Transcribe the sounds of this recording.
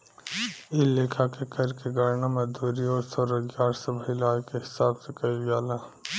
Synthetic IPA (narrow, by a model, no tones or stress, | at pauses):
ɪleːkʰakekɐɾkeɡaɾnamɐd̪uːɾioːsoɾɐɡjaːɾsɐbɦɪlaːjkeɦɪsaːbsekɐiɡaːla